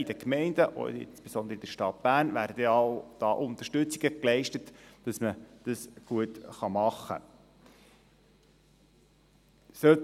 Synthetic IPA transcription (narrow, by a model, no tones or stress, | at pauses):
id̥əkmɛɪndəʔo̰ɪ̰nspesɔnd̪əɾəid̥̪əɾʃtɑt̪̚b̥æːrnvæːɾdədɛɑʊd̪̥ɑːʔʊnt̪əʃtɵt͡siɡ̥əklɛɪʃtətd̥ɑsməd̥ɑsɡ̥uətχɑmɑχːə̰ | sœt